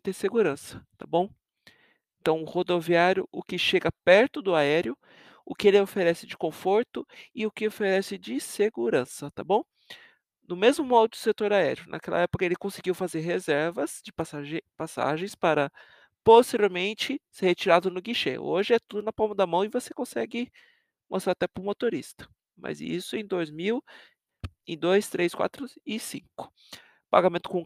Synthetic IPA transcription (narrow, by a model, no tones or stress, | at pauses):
t̪ẽseɡuɾɐ̃sɐ̥t̪a̰bõw̃ | ẽnt̪ɐ̃w̃ʊhod̪oviaɾjʊ̰ʔʊkɪʃeɡɐpɛɾt̪ʊd̪ʊaɛɾjʊ | ʊkɪelɪofeɾɛsɪd͡ʒɪkõfoɾt̪ʊɪʊkɪofeɾɛsɪd͡ʒɪseɡuɾɐ̃sɐt̪a̰bõw̃ | nʊmezmʊmɔd̪ʊd̪ʊset̪oɾaɛ̰ɾjʊnʔa̰kɛlɐ̰ɛpokɐelɪkõsɪɡiwfazeɾɦezɛɾvɐzd͡ʒɪsapasa̰ʒẽj̃spaɾɐ | post̪eɾioɾmẽnt͡ʃɪseɾhet͡ʃiɾad̪ʊnʊɡiʃḛo̰ʒɪɛt̪ud̪ʊnɐpãw̃mɐd̪ɐmɐ̃w̃ɪvosekõsɛɡɪ | most̪ɾaɾat̪ɛpʊɾmot̪oɾist̪ɐ̥ | mɐ̰zḭsʊẽj̃d̪ojzmiw | ẽd̪ojst̪ɾeskwa̰t̪ɾʊɪsḭ̃kʊ̥ | pa̰ɡamẽnt̪ʊ̥kõ